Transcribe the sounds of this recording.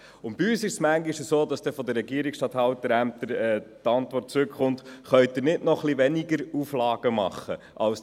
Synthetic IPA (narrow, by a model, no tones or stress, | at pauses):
ʊnb̥iyːsɪʃsmæŋɡiʃəsoːd̪ɑsd̥ɛfɔd̪əɾːɛɡiəɾiksʃtɑt̪hɑwtəɾæmt̪əɾɛtɑnt̪vɔrt̚t͡sɾʉkχʊntχœʏt̪ɪɾnɪdnɔχliʋɛniɡəɾuflɑːɡ̥əmɑ̰χːə | ʔɑls